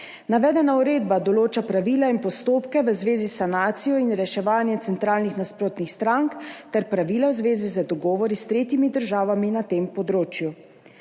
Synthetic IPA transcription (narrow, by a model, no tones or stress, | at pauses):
naʋɛːd̪ɛnauɾeːd̪bad̪ɔloːt͡ʃapɾaʋiːlainpɔst̪oːpkɛʋəzʋeːzisanaːt̪sijɔinɾɛʃɛʋaːnjɛt̪sɛnt̪ɾaːlnixnaspɾoːt̪nixst̪ɾaŋkt̪ɛɾpɾaʋiːlawzʋeːzizad̪ɔɡɔːʋɔɾist̪ɾeːt̪jimid̪əɾʒaːʋaminat̪empɔd̪ɾoːt͡ʃju